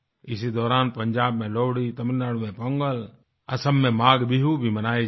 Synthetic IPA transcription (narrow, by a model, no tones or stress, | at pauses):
ɪsid̪ɔːɾaːnpəɲd͡ʒaːbmẽloːɽit̪ɐmnaɽmẽpəŋɡəl | ɐsəmːẽmaːɡbɪɦubʱimənaːe